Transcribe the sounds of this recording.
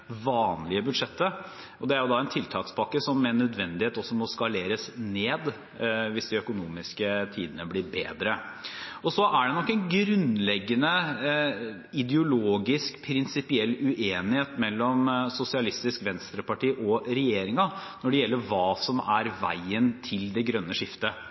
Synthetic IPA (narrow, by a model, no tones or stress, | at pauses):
ʋɑːnlɪəbʉd̪ʂɛt̪ːə | ɔd̪ɛæɾjʊd̪ɑæɛnt̪ʰɪlt̪ʰɑːkspʰɑkːəsɔmːɛnːœd̪ʋɛnd̪ɪheːt̪ɔsːɔmɔskɑleːɾəsneːd̪ | ʋɪsd̪ɪœkʊnuːmɪskət̪ʰiːd̪ənəbliːɾbḛːd̪ɾə | ɔsɔʔæɖɛnɔkːɛɪnɡɾʉnlɛɡːənə | ɪd̪ɛʊloːɡɪskpʰɾɪnsɪpɪɛlːʉʔeːnɪheːt̪mɛlːɔmsʊsɪɑlɪst̪ɪskʋɛnst̪ɾəpɑʈiːʔɔɾɛjeːɾɪŋɑnɔɖɛjɛlːəɾʋɑːsɔmæɾʋæ̰ɪənt̪ʰɪld̪ɛɡɾœnːəʂɪft̪ə